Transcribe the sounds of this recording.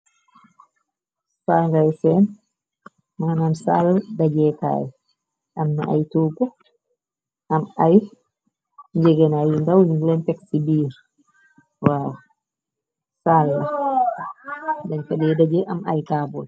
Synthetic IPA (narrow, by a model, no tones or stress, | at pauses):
spaŋɡajsɛn | manansaldad͡ʒɛːta̰ːjɛ | ʔamnaʔajtuːkɔ | ʔamaj | ɲd͡ʒɛɡɛnajindawniŋɡlɛntɛksibiːɾ | wawa | salːa | daɲfaɗɛɛdad͡ʒɛʔamajkaːbɔl